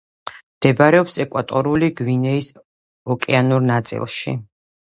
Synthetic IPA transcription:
md̪̥ɛbɾɛɔpsɛkʼwat̪ʼɔɾuliɡwinɛis | ɔkʼɛanuɾnat̪sʼḭlˠʃḭ

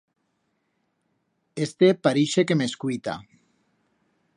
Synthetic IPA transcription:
est̪epaɾiʃekemeskujt̪a̰

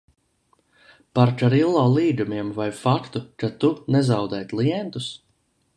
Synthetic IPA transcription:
paɾkaɾilˠːoːlˠiːd̪umiɛmvajfakt̪ukat̪unɛzawd̪ɛjt̪lˠiɛnt̪us

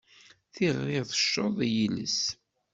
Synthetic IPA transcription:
θiʁeθə̥ʃːoðˤjilə̰s

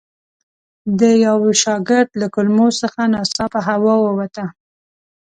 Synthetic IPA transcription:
d̪əjawʃɑɡɪɾd̪lakʊlmosəxanɑsɑpəɦawɑwəwat̪a

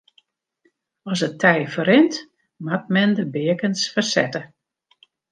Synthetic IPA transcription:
ɔsətʰɛjfəɾɪnt | mat̚mɛndəbɪəkənsfərsɛ̰tə

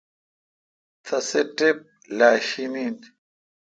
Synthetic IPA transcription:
t̪ʰasɛtɛp̚ | laʃinini

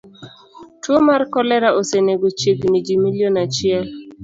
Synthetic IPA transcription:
twomaɾkɔlɛɾaʔoseneɡot͡ʃeknid͡ʒimilionat͡ʃial

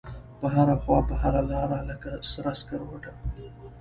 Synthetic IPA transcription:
pəɦaɾaxwɑpəhaɾalɑɾaləkasɾaskaɾwaʈa

